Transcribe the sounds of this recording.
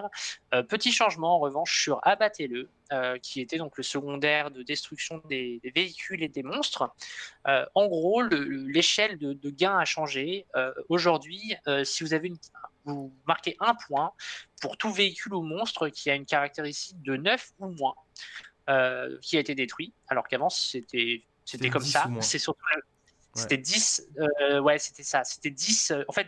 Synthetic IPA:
ʁøpət̪iʃɑ̃ʒmɑ̃ːʁəvɑ̃ʃsyʁabat̪ʰelə | økʲʰiet̪ɛd̪ɔ̃kləsəɡɔ̃d̪ɛʁd̪əd̪ɛst̪χyksjɔ̃d̪ed̪eveikʲʰyled̪emɔ̃st̪χøɑ̃ɡʁoləəleʃɛld̪əd̪əɡʲɛ̃aʃɑ̃ʒeøoʒuʁd̪ɥiøsivuzaveynvumaʁkʲeʔɛ̃pwɛ̃puʁt̪uveikʲylumɔ̃st̪χəkʲiaynkaʁak̚t̪eʁist̪ik̚d̪ənœfumwɛ̃ | økʲiaet̪ed̪et̪χɥialɔʁkavɑ̃si̥set̪ʰɛ | set̪ɛkɔmsasɛsyʁt̪uə | set̪ɛd̪isøwɛse̥t̪ɛsase̥t̪ɛd̪isøɑ̃fɛt̪

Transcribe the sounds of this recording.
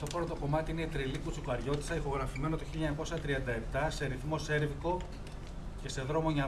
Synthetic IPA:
t̪opɾt̪oko̞mɐt̪iine̞t̪ɾilikut͡sikoɐɾʝo̞t̪i̥sɐixo̞ɣɾɐfime̞no̞t̪oçiliɐɲɐko̞sɐt̪ɾiɐnd̪ɐe̞p̚t̪ɐse̞ɾiθmo̞se̞ɾviko̞ | ce̞se̞ðɾo̞mo̞ɲɐ

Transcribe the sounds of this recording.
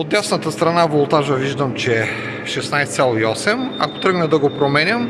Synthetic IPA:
od̪ɛsnət̪əst̪ɾɐnavolˠt̪aʒəviʒd̪əmt͡ʃɛ | ʃɛsnajst̪sʲalˠoiɔsɛma̰ko̥t̪ɾɤɡnɛd̪ɐɡopɾomɛnʲəm

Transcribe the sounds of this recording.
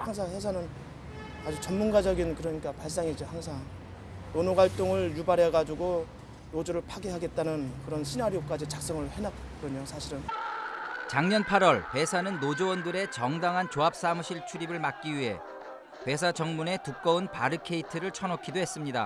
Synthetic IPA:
haŋs̬ʰaŋhesʰanɯn | ad͡ʑut͡ɕʌmmunɡad͡ʑʌɡinkɯɾʌɲik͈apaɭs̬͈aŋid͡ʑihaŋsʰaŋ | nonoɡaɭt͈oŋɯɭjubaɾɦeɡad͡ʑuɡo | nod͡ʑoɾɯɭpʰaɡeɦaɡe̞t̚t͈anɯnkɯɾʌnɕʰinaɾijok͈ad͡ʑit͡ɕak̚s͈ʌŋɯɭhenak | k͈ɯɾʌɲosʰaɕʰiɾɯn | t͡ɕaŋɲʌnpʰaɾwʌɭpe̞sʰanɯnːod͡ʑowʌndɯɾe̞t͡ɕʌŋdaŋɦant͡ɕoɦap̚s͈amuɕʰiɭt͡ɕʰuɾibɯɭmak̚k͈iɥiɦe̞̰ | pe̞s̬ʰad͡ʑʌŋmune̞tuk̚k͈ʌunpaɾɯkʰe̞itʰɯɾɯɭt͡ɕʰʌnʌkʰidoɦe̞s͈ɯmɲida̰

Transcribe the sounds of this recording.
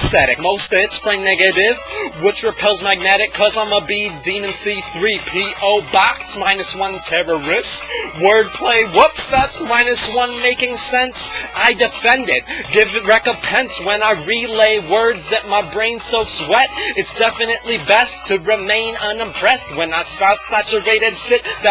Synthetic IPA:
sɛɾɨk̚moʊstɨtsfɹ̥ẽɪ̃mnɛɡɨɾɪv̥wɪt͡ʃɹɨpʰɛlˠzmæɡ̚nɛɾɨkʰʌzãɪ̃məbidimɨ̃nsiθɹipʰiʔoʊbɑksmãɪ̃nɨswʌ̃ntʰɛɹə˞ɪskwɜ˞d̚pʰl̥eɪwʊpsðætsmãɪ̃nɨswʌ̃nmeɪkɪ̃ŋsɛ̃nsaɪdɨfɛ̃ndɪt̚ɡ̥ɪvɹɛkə̃mpʰɛ̃nswə̃naɪɹileɪwɜ˞dzðɨt̚maɪbɹẽɪ̃nsoʊswɛɾɨtsd̥ɛfɨnɨtˡlibɛstʰɨɹɨmẽɪ̃nʌ̃nɨ̃mpʰɹ̥ɛst̚wə̃naɪspaʊt̪sæt͡ʃə˞eɪɾɨdʃɪt̪̚ðɨ

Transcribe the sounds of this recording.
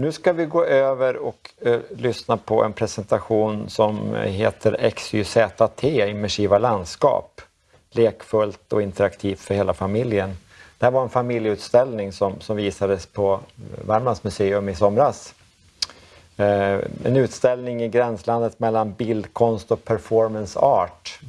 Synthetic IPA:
nʉːskavɪɡoːʔøːvəɾɔklʏsnapʰɔʔɛ̰npʰɾɛsɛnt̪aɧuːnsɔmɦeːt̪ʰəɾɛksʏsɛːt̪at̪ʰeːɪmːɛʂiːvaland̪skɑ̰ːp | leːkfɵlt̪ɔɪnt̪əɾakt̪ʰiːft̪fœɾheːlafamɪljən | d̪̥ɛhæɾvaɾɛnfamɪljəʉt̪st̪ɛlnɪŋsɔmsɔmviːsad̪əspʰɔvæɾmansmɵseːɵmɪsɔmɾas | ɛ̰nʉ̟ːt̪st̪ɛlnɪŋɪɡɾɛnsland̪ət̪mɛlːanbɪld̪kʰɔnst̪ɔk̚pʰæɾfɔɾmənsɑːʈ

